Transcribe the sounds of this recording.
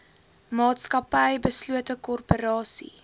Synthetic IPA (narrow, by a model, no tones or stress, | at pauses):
mɑːtskɐpəjbəsluətəkɔrpəɾɑːsḭ